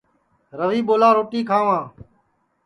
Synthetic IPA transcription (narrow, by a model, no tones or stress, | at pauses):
ɾəʋiːɓoːlaːɾoːʈiːkʰaːʋãː